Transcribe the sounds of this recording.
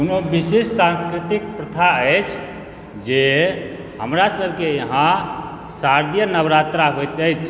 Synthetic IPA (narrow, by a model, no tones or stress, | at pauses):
unobisessãnskɾit̪ik̚pɾət̪ʰaəjt͡ʃʰ | d͡ʒe | ɦəmɾasəbʱkejəɦã | saɾd̪jənəbɾat̪ɾaɦojt̪d͡ʒajt͡ʃʰ